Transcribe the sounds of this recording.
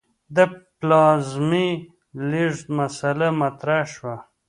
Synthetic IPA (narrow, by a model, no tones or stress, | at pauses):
d̪əplɑːzmi | liʐt̪masalamat̪ɾaʃwa